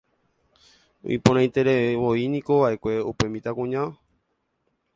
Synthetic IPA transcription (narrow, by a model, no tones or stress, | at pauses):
ṵipõɾãj̃t̪e̞ɾeʋoinĩko̞ʋaʔe̞kʷe̞upemĩt̪akũɲã